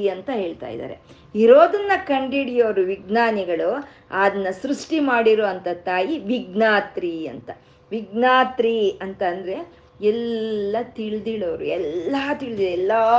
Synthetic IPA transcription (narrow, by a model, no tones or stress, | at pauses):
ɐnt̪ɐɦe̞ːɭt̪a̰ːjd̪a̰ːɾe̞̰ | iɾoːd̪ɐnːɐkɐɳɖiɽijɐʋɾuʋiɡnaːniɡɐɭu | aːd̪ɐnːɐsɾuʂʈimaːɽiɾoːɐnt̪ɐt̪aːjiʋiɡnaːt̪ɾiɐ̰nt̪ɐ | ʋiɡnaːt̪ɾiɐnt̪ɐːnd̪ɐɾe̞ | ɛlːɐt̪iɭd̪iɭɐʋɾuɛlːɐt̪iɭd̪ilɛlːɐ